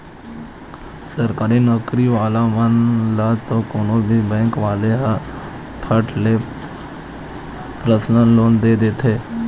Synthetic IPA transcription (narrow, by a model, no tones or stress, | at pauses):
səɾkaːɾiːnɔkɾiːʋaːlaːʋənlaːt̪õːkoːnõːbʱiːbɛ̃ːŋkʋaːleɦə | t̪ʰəʈleː | pɾəslənloːnd̪eːd̪et̪ʰeː